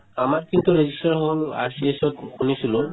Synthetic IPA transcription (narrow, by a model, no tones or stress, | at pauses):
amaɹkint̪uɹezisʈaɹɦola̰ɹsiesɔtkunisilʊ